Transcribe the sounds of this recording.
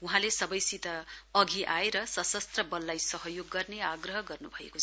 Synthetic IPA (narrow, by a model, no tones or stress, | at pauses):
uɦãlesʌbʌjsit̪ʌʌɡʱiʔaeɾʌsʌsʌst̪rʌbʌlːajsʌɦʌjoɡːʌrneaɡrʌɦʌɡʌrnubʱʌḛkot͡sʰ